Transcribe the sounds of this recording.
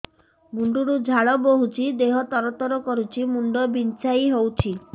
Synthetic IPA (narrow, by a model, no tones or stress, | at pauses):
muɳɖuɾud͡ʒʱaɭɔboɦut͡ʃʰid̪eɦɔt̪ɔɾɔt̪ɔɾɔkɔɾut͡ʃʰimuɳɖɔbint͡ʃajɦowt͡ʃʰi